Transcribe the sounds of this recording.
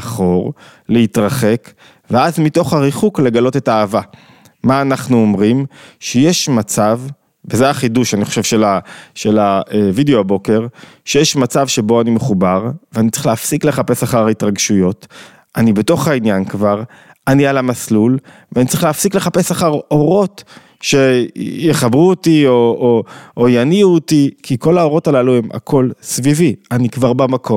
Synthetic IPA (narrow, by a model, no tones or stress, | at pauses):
χo̞ʁ | leitʁaχe̞k | veazmito̞χhaʁiχukle̞ɡalo̞te̞taːva | maːnaχnuomʁimʃejeʃmat͡savː | ezeaχiduʃaniχo̞ʃe̞vʃelaʃe̞laevideoabo̞ke̞ʁʃejeʃmat͡savʃe̞bo̞animeχubaʁveanitt͡sʁi̥χleafsikle̞χape̞saχaʁaitʁaɡʃujo̞t | anibe̞to̞χainjankvaʁ | anialamaslul | veanitt͡sʁiχleːafsikle̞χape̞saχaʁo̞ʁo̞t | ʃe̞jeχabʁuotiooʔojaniuotikʰiko̞lao̞ʁo̞talalue̞mʔa̰kʰo̞lsvivianikvaʁbamakʰo